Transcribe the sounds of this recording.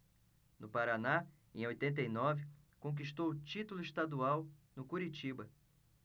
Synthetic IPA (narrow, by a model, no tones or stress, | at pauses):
nʊpaɾana | ḛ̃j̃ojt̪ẽnt̪̬ejnɔvɪkõk̬iʃt̪owʊt͡ʃit̪ulʊiʃt̪ad̪uawnʊkuɾit͡ʃibɐ